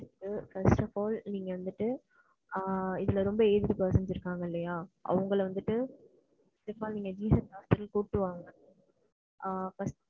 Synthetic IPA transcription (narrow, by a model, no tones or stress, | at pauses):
ʈːɯfɐɾsʈɐfaːlniːŋɡɐʋɐnd̪ɯʈːɯ | ɪðɪlɐɾɔmbɐeːðɯɾɯpɐːsɐnsɪɾɯkːaːŋɡɐɪlːɐjaːʔɐ̰ʋɐŋɡɐɭʋɐnd̪ɯʈːɯ | fɐsʈɐfaːlniːŋɡɐd͡ʒiːsɐnkaːstɐɾɪlkoːʈːɯʋaːŋɡɐ | fɐs